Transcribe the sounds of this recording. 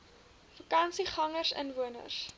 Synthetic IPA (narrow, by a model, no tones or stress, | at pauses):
fəkɐnsiχɐŋərsə̰nvuənə̰rs